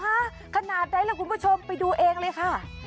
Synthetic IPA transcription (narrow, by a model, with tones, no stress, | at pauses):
a˦˥ | kʰa˧naː˨˩t̪̚da˧˦jlɛː˧˩kʰu˧npʰuː˦˥˩t͡ɕʰo˧mpa˧jduː˧ʔeː˧ŋlɤː˧jkʰa˧˥˩